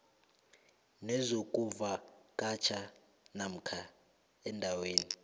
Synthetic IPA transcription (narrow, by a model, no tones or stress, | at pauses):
nɛzok̬ʼuvakʼat͡ʃʰa | nam̩kʰa | ɛndʱaweːni